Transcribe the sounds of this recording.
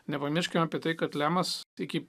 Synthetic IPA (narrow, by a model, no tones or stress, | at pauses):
nʲɛpɐmʲɪʃʲkʲɛmɑːpʲiɛt̪ɐɪkɐt̪lʲæːmɐsɪkʲɪ